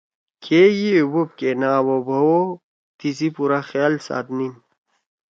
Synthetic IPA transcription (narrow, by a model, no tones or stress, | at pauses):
kʰejiubup̚kenaːwobʱɐwo | t̪is̬ipuɾaxjaːlsa̰ːt̪nin